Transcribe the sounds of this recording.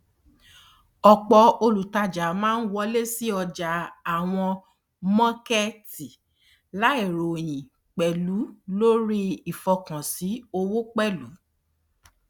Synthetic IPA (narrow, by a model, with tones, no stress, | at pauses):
ɔ˧k͡pɔ˧o˧lu˨ta˧d͡ʒa˨mãː˦n̩˦wɔ˦le˦si˦ɔ˧d͡ʒa˨a˨w̃ɔ̃˧ | mã˦ke˦ti˨ | la˨˦i˨ɾo˨j̃ĩ˨ | k͡pɛ˨lu˨˦lo˦ɾi˦i˨fɔ˧kã˨si˨˦o˧wo˦k͡pɛ˦lu˨˦